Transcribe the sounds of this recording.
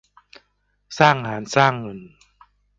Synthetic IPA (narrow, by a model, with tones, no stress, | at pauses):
saː˥˩ŋhaː˩˦nsaː˥˩ŋːɤ˧˩n